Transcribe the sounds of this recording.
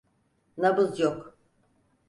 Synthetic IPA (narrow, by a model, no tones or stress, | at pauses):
nabɯzjok